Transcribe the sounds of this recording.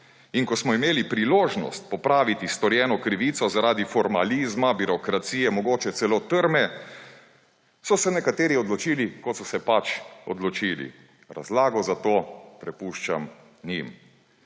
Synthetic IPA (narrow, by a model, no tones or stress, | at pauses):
inkɔsmɔimeːlipɾiloːʒnɔ̰st̪̚pɔpɾaːʋit̪ist̪ɔɾjɛːnɔkɾiʋiːt̪sɔzaɾaːd̪ifɔɾma̰lizmabiɾɔkɾat̪siːjɛmɔɡoːt͡ʃɛt̪sɛloːt̪əɾmɛ | sɔsɛnɛkat̪eːɾiɔd̪lɔt͡ʃiːlikɔt̪sɔsɛpat͡ʃɔ̰d̪lɔt͡ʃiːlḭ | ɾa̰zlaːɡɔzat̪oːpɾɛpuʃt͡ʃam | ɲim